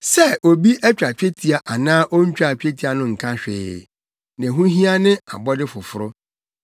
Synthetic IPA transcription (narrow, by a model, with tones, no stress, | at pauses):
sɛ˦o˨bi˦ʔɛ˦t͡ɕᶣa˨t͡ɕᶣe˦tʰi˨a˨ʔa˨nãː˦ʔo˦ɲ̩˦t͡ɕᶣa˨t͡ɕᶣe˦tʰi˨˦a˨nʊ̃˦ŋ̩˨kʰã˦ɕᶣɪ̰ː˨ | nɛ̃˨ɦũ˦ɦĩ˦a˦nɪ̃˦a̰˨bɔ˦dɪ˦fʊ˨fʊ˨ɾʊ˦